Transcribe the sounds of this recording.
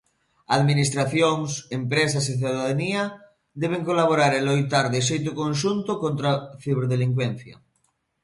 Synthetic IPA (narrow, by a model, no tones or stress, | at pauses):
aðminist̪ɾaθjoŋsempɾes̬aseθjuðaðania | d̪eβ̞eŋkolaβ̞oɾaɾelojt̪aɾðeʃ̬ejt̪̬okõnʃunt̪okõnt̪ɾaθiβeɾðeliŋkwen̟θja̰